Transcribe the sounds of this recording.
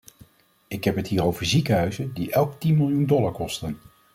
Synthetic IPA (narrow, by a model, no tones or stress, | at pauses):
ɪkɦɛpɦətɦiːɾowvəɹzikəɦœɥzəndiʔɛlˠktinmɪlˠjundɔlaɹkɔstən